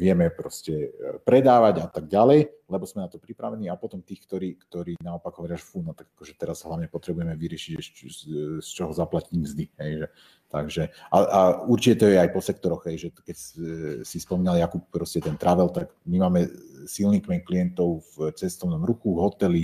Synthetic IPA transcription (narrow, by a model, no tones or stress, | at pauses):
ʋɪɛmɛpɾɔscɛpɾɛd̪aːʋaɟat̪aɡ̚ɟalɛjlɛbɔzmɛnat̪ɔpɾipɾaʋɛniːapɔt̪ɔmt̪iːxkt̪ɔɾiːkt̪ɔɾiːnaɔpaɡɦɔʋɔɾɪaʒɛfunɔt̪aɡakɔʒɛt̪ɛɾaz̥ɦlaʊɲɛpɔt̪ɾɛbujɛmɛʋiɾɪɛʃiɟɛ | st͡ʃɔɦɔzaplaciːmzd̪iɦɛjʒɛ | t̪aɡʒɛʔaʔauɾt͡ʃicɛt̪ɔjɛajpɔsɛkt̪ɔɾɔɣɦɛjʒɛkɛcsispɔmiːnaljakup̚pɾɔscɛt̪ɛnt̪ɾaʋɛlt̪aɡmimaːmɛsilnikmɛɲkliɛnt̪ɔʊvt͡sɛst̪ɔʊnɔmɾuxuvɦɔt̪ɛli